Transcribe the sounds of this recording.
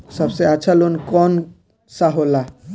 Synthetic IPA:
səbseətːt͡ʃʰalonkɔn | saɦola

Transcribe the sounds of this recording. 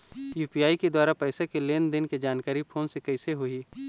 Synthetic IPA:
juːpijaːiked̪waːɾapɛːsekeleːnd̪ɪnked͡ʒaːnkaːɾipʰoːnsekɐɪseɦoiː

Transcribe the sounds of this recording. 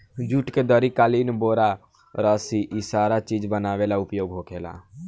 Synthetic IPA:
d͡ʒuʈked̪əɾikaːliːnboːɾa | ɾəsiʔisaːɾat͡ʃiːd͡ʒbənaːʋelaʊpjoːɡɦoːkʰeːla̰ː

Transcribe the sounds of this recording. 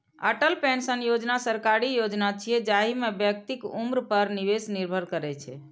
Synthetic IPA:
əʈəlpensənjod͡ʒnasəɾkaɾijod͡ʒnat͡ʃʰijɛd͡ʒaɦimebjək̚t̪ikṵmɾpəɾniʋesniɾbʱəɾkəɾɛt͡ʃʰɛ̰

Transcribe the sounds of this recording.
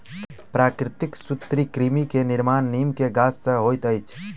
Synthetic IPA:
pɾakɾɪt̪iksut̪ɾikɾimikeniɾmanːimkeɡasːə̃ɦojt̪əjt͡ʃʰ

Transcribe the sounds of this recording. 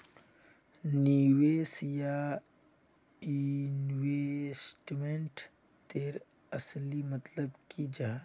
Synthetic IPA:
niweːsja | inwesʈmeɳʈ | t̪eːɾ | ɐslimət̪ləbkid͡ʒaɦa

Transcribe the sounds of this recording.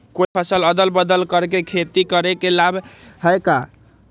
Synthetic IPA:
koipʰəsələd̪əlbəd̪əlkəɾkekʰet̪ikəɾekelabɦəjka

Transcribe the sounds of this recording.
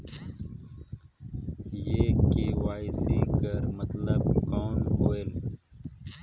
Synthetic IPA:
jekeːwaːisikəɾmət̪ləbkoːnoːel

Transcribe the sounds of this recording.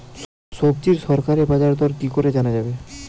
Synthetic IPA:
ʃob̚d͡ʑiɾʃɔɾkaɾebad͡ʑaɾd̪ɔɾkikoɾed͡ʑanad͡ʑabe

